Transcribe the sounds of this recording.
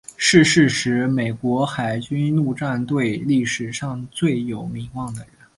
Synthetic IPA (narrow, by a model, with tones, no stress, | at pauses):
ʂɻ̩˥˧ʂɻ̩˥˩ʂɻ̩˧˥me˨˩ɪkwɔ˧˥xa˨˩ɪt͡ɕy˥nnu˥˧ʈ͡ʂa˥˧nt̪we˥˧ɪli˥˩ʂɻ̩˨˩ʂɑ˥˧ŋt͡swe˥˩ɪjo˨˩ʊmi˧˥ŋwɑ˥˩ŋd̪ə˩ɻə˧˥n